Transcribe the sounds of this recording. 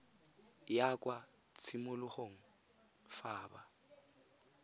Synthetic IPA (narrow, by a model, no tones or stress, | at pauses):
jakʼwa | t͡sʰimʊlʊχoŋ̩ | faːba